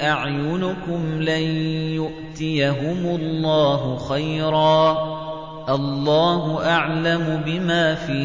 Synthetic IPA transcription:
ʔaʕjʊnʊkʊmlanjʊʔt̪ɪjaɦʊmʊlˤːɑːɦʊxajɾˤɑː | ʔalːɑːɦʊʔaʕlamʊbɪmaːfiː

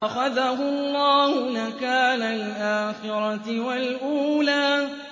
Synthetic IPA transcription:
axaðaɦʊɑlˤːɑːhʊnakaːnalʔaːxɪɾˤɑt̪ɪwalʔuːlaː

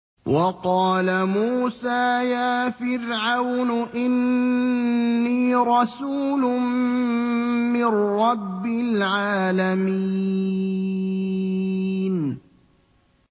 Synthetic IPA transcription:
wɑqɑːlamuːsaːjaːfɪɾʕawnʊʔɪn | iːɾˤɑsuːlʊ | mɪnɾɑbːɪlʕaːlami | n

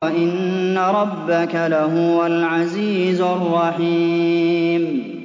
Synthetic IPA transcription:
aʔɪnːaɾˤɑbːakalaɦʊwalʕaziːzarˤːɑħiː | m

